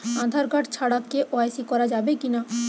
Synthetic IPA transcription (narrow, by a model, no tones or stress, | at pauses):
ãd̪ʱaɾɡaʈt͡ɕʰaɽakːeʔɔajsikɔɾad͡ʑabekina